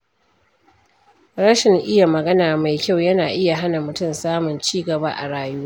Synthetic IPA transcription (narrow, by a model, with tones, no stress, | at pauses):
ɽɐ˦ʃɪ˨ŋʔɪ˦ja˨mɐ˨ɡɐ˦naː˨ma˨jkʲa˦˨wjɐ˦naː˨ʔɪ˦ja˨ɦa˦na˨mʊ˨tʊ˦˨msaː˦mʊ˨nt͡ʃiː˦ɡɐ˨ba̰˦ʔa̰˨ɽaː˨˦ju˦